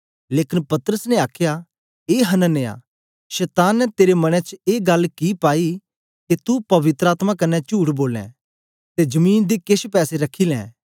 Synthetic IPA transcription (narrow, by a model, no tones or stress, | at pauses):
leːkɪnpɐt̪ɾəsnɛaːkʰja | eːɦɐnə̃neːa̰ː | ʃɛːt̪aːnːɛt̪eːɾemɐɽ̃ẽt͡ʃeːɡɐlkipaːi | ket̪upɐʋɪt̪ɾəaːt̪makɐnːɛt͡ʃuːɽboːlɛ̰̃ | t̪ed͡ʒɐmiːnd̪ikeʃpɛːseɾɐkʰːilɛ̰̃ː